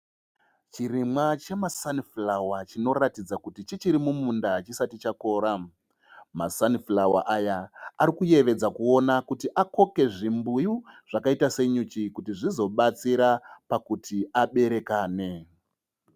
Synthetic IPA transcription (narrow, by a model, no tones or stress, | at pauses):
t͡ʃirimwat͡ʃe̞masaniflawat͡ʃino̞ratid͡zakutit͡ʃit͡ʃiɾimumundat͡ʃisatit͡ʃako̞ːɾa | masaniflawa̰ʔajaːɾikuje̞ʋe̞d͡zakuo̞nakutiʔako̞ke̞ʐimbujuʐ̥akaitase̞ɲut͡ʃikutiʐizo̞ɓat͡siɾapakutʰiaɓe̞ɾe̞kaːne̞